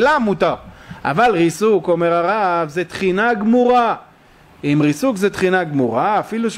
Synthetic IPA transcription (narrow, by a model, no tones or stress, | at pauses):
lamut̪aʁa̰valʁisuko̞meʁaʁavzet̪χinaɡmuʁa | imʁisukzet̪χinaɡmuʁaafiluʃ